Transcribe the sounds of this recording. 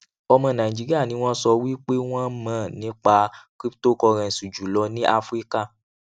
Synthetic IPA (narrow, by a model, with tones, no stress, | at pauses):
ɔ˧mɔ̃˨˧˨nã˨ĩ˨d͡ʒi˨˦ɾi˦a˦˨nĩ˨˦w̃ɔ̃˦sɔ˧wi˦k͡pe˦w̃ɔ̃˦mã˦˨nĩ˨˦k͡pa˧kɾi˦pto˦kɔ˧ɾ̃ɛ̃˧˨su˨d͡ʒu˨lɔ˧˦nĩ˦ʔa˦fɾi˦ka˦˨